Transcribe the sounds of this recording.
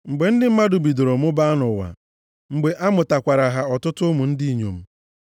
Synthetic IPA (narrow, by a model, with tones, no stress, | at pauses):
ŋ͡m̩˨ɡ͡be˨n̩˦dɪ˦m̩˦ma˦dʊ˨bi˨do˨ɾo˨mʊ˦ba˦a˦nʊ˨wa̰˨ | ŋ͡m̩˨ɡ͡be˨ʔa˦mʊ˨ta˨kʷa˨ɾa˨ɦa˨ɔ˨tʊ˦tʊ˦mu˨n̩˦di˦i˨ɲo̰˨m̩˦